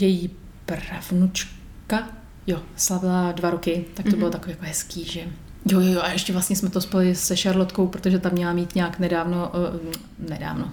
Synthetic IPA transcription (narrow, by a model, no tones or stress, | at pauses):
jɛji | pravnut͡ʃ | ka | joslavɪladvaɾokɪt̪ak̚t̪obɪlot̪akovijakoiːɦɛskiːʒɛ | jojojoʔaʔɛʃcɛvlast̪ɲɛsmɛt̪ospolɪsɛʃaɾlot̪ko̞wpɾot̪oʒɛt̪amɲɛlamiːt̪ɲaːknɛdaːvno̞ | nɛda̰ːvno